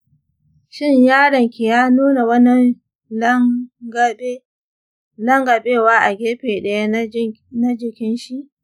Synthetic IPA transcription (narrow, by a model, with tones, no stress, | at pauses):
ʃɪ˦ɲjaː˦ɽɐ˨ŋkʲi˨jaː˦nuː˦na˨wɐ˦nɐ˦n | lɡe˦ | lɐ˦ŋɡa˨ɓeː˦waː˦ʔa˨ɡʲeː˦ɸeː˨ɗɐ˦ja˦ | na˦d͡ʒɪ˨kʲɪ˦nʃi˦ʔ